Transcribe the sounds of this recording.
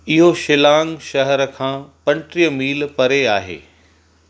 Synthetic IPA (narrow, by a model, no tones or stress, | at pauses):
ɪɦoʃɪlaːŋɡʃɐɦɛɾkʰãːpɐ̃ɳʈɾijəmiːlpɐɾeaːɦḛː